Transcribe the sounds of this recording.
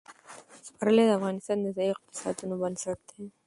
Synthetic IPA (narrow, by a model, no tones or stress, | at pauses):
spaɾəled̪əafɣɑːnɪst̪ɑːnːəzɑiɪq̚t̪ɪ̥sɑ̰d̪unoband̪saɽ̚d̪ʰe